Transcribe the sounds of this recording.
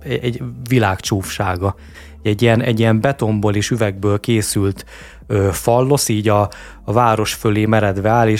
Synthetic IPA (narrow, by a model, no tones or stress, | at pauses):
ɛɛɟvilaːkt͡ʃuːfʃaːɡɒ | ɛɟːiɛnɛɟːijɛmbɛt̪o̞mboːleːʃyvɛɡ̚bøːlkeːsylt̪ | øːfɒlːo̞siːɟɒː | vaːɾo̞ʃføleːmɛɾɛd̪vɛaːleː